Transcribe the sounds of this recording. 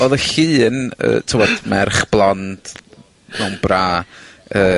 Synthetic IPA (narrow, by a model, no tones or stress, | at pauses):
oðəɬiːnə̰ːtʰɪwɔd̥mɛrχb̥lˠɔnd̥ | nɔmbraːəː